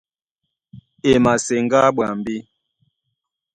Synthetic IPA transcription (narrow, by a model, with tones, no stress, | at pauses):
e˨ma˨se˨ŋɡa˦ɓwa˨mbi˦